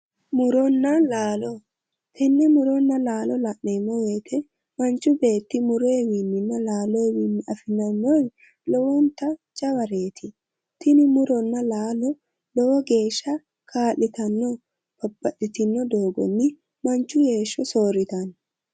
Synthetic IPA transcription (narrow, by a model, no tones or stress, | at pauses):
mʊɾɔnːɐlaːlɔ | t̪ɪnːɪmʊɾɔnːɐlaːlɔlɐʔneːmɔweːt̪ʰɛ | mɐnt͡ʃːʊbe̞ːt̪ːɪmʊɾeːwinːɪnːɐlaːlɔwinːɪɐfɪnɐnːɔj | lɔwɔnt̪ɐt͡ʃʼɐwɐɾeːt̪ʰɪ | t̪ɪnɪmʊɾɔnːɐlaːlɔ | lɔwɔɡe̞ːʃːɐ | kʰaːlːɪt̪ɐnːɔ | pɐbːɐɗɪt̪ɪnːɔd̪o̞ːɡɔ̰nːɪ | mɐnt͡ʃːʊje̞ːʃːɔsoːɾɪt̪ɐn